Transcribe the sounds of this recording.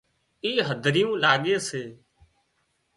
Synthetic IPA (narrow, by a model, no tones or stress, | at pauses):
iːɦəd̪ʱɾɪjũːlaːɠeːseː